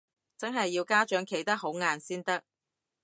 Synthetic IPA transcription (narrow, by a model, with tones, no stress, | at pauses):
t͡sɐ˥nɦɐ˨jːiː˧wkaː˥t͡ʃœː˨˥ŋkʰe˨˩jt̪ɐ˥k̚ho˨˥wŋaː˨nsiː˥nt̪ɐ˥k̚